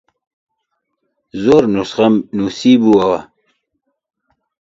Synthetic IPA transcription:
zoɾnusχamnusibuwawa̰

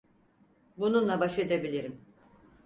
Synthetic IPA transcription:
bununlˠabaʃed̪ebilʲiɾim

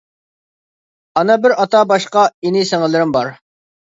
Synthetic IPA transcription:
ɑnɑbɪɾɑt̪ɑbɑʃqɑinɪsɛŋɪlˠɪɾɪmbɑɾ

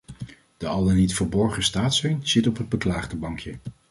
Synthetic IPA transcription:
d̥əɑlˠdənitfəɹbɔɹχəstaːtsɛjnz̥ɪtɔpɦəd̚bəklaːχdəbɑŋkʰjə

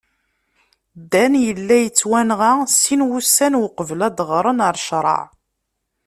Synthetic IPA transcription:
d̪ːænjəlːæjət͡sːwænʁasinwusːænwəqəvlæd̪ʁɾˤənəɾˤʃɾˤɑ̰ʕ

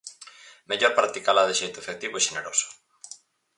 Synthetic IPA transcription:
meʎoɾpɾak̚t̪ikalaðeʃejt̪ʊefek̚t̪iβʊɛʃeneɾosʊ̥

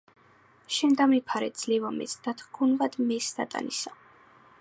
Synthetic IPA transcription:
ʃɛnd̪amipʰaɾɛ̰d̪z̥lɛvamɛ̰sʰd̪̥at̪ʰɡʰunvad̪mɛsd̪a̰t̪ʼa̰nisa

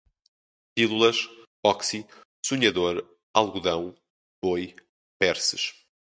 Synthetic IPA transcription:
pilˠulˠɐʃ | ɔksi | suɲɐðoɾ | alˠɣuðɐ̃w̃ | boj | pɛɾsɨʃ

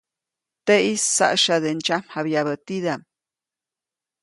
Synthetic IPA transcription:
t̪eisːa̰ʔʃad̪ent͡ʃamhabjaβət̪id̪am

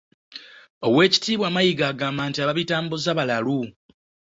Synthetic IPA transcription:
o̞̰we̞ːci̥tiːβwaːmajiɡaːɡaːmbaːntiaβaβitaːmbozaβalalu

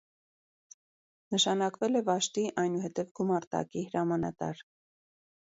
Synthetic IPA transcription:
nəʃɑnɑkvɛlɛvɑʃt̪iʔɑjnuhɛt̪ɛvɡumɑɾt̪ɑ̰kiɦəɾɑmɑnɑ̰t̪ɑ̰ɾ

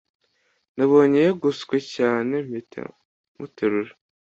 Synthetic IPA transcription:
naβo̞ɲejeɡuskwecaːne̞m̥itḛ | mutʰeɾuɾe

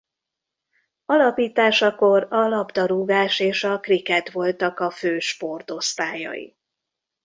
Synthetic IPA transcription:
ɒlɒpiːt̪aːʃɒko̞rɒlɒbd̪ɒɾuːɡaːʃeːʃɒkrikɛt̪ʋo̞lt̪ɒkɒføːʃpo̞rt̪o̞st̪aːjɒ̰jḭ

